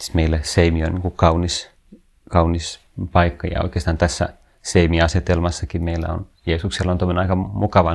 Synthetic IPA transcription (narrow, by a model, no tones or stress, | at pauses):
i̥t̪meilːæseimioniːŋkukɑunis | kɑunis | pɑikːɑjɑ̰o̰ikeːst̪ɑːnt̪æsːæ̰ | seimiɑset̪elmɑsːɑkimeilːæ̰o̰njeːsukselːont̪oimonenɑikɑmukɑʋɑ